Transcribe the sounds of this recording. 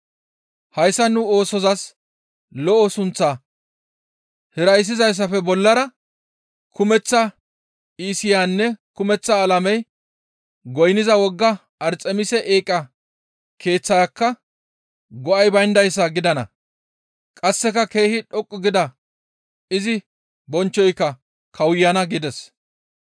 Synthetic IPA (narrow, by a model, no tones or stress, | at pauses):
hɐjsːɐnʊoːsɔzɐs | lɔʔɔsʊnt͡sːaː | hɪɾɐjs̬ːɪzɐjs̬ːɐfɛbɔlːɐɾɐ | kʰʊmɛt͡sːɐ | iːsɪjanːɛkʊmɛt͡sːɐːlɐmɛj | ɡɔjnɪzɐwɔɡːɐ | ɐɾt͡sʼːɛmɪsɛʔeːkʼːɐ | kʰe̞ːt͡sːɐjakːɐ | ɡɔʔɐjbɐjnd̪ɐjs̬ːɐɡɪd̪ɐnɐ̰ | kʼɐsːɛkɐke̞ːhɪᶑɔkʼːʊɡɪd̪ɐ | ɪzɪ | bɔnt͡ʃːɔjkːɐ | kʰɐwʊjːɐnɐɡɪd̪ɛs